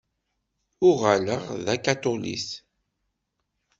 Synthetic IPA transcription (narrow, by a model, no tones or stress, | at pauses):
ʊʁaləʁðækat̪olḭs